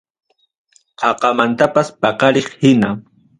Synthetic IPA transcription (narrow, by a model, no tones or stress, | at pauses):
qʰɑqɑmant̪apaspɑqɑɾeχhɪna